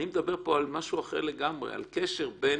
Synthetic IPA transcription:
nimed̪abe̞ʁpo̞almaʃuaχe̞̰ʁleɡamʁḛa̰lkeʃeʁbe

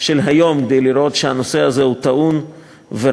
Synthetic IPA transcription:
ʃe̞lɦajo̞mkd̪ejliɾʔo̞t̪ʃehano̞se̞aze̞hut̪aʔun | ve

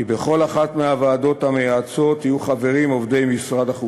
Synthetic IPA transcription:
ibe̞χo̞laχat̪meavaːd̪o̞thame̞jat͡so̞t̪ijuχave̞ʁimo̞vd̪e̞jmisʁad̪aχu

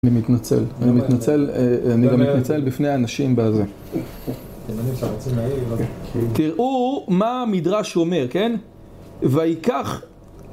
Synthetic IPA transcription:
nimit̪nat͡sḛlanimit̪nat͡seleaniɡamːit̪nat͡selbifnejaːnaʃimbeze | emaniʃaot͡semai | t̪iʁʔumamidʁaʃome̞ʁke̞n | veajikaχ

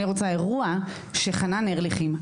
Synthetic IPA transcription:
iʁot͡sae̞ʁua | ʃe̞χananeʁliχim

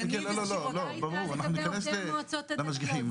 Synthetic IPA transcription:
kelolololobamʁuanaħnunɪkaneslamaʃ̬ɡiħim

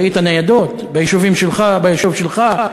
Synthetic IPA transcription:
it̪anajad̪o̞t̪bejiʃuvimʃelχabajiʃuvʃelχa

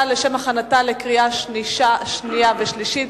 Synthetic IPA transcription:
leʃemaχanatale̞kʁiaʃniʃaʃnijaveʃliʃit̪

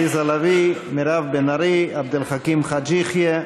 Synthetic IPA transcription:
izalavimiɾavbenaɾiabd̪elχakimχad͡ʒiχje

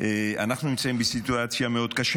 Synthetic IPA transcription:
a̰naχnuimt̪sʰaimbisit̪ʼuat̪sʰiamɛod̪ɡaʃ

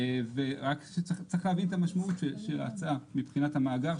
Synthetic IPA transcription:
veʁakʃet͡st͡sʁiχlæːvint̪amaʃmaut̪ʃeʃela̰t͡samipχinatamaːɡaʁ

